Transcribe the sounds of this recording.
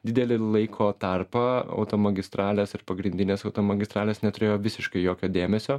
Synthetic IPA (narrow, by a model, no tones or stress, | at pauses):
d̪ʲɪd̪ʲɛlʲɪlˠɐɪkʰoːt̪ɐrpɐɐ̰ʊt̪oːmɐɡʲɪst̪ɾɑːlʲeːsɪɾpɐɡɾʲɪnʲd̪ʲɪnʲeːsɐʊt̪oːmɐɡʲɪst̪ɾɑːlʲeːsnʲɛt̪ʊɾʲeːjoːʋʲɪsʲɪʃkɐɪjoːkʲoːd̪ʲeːmʲɛsʲoː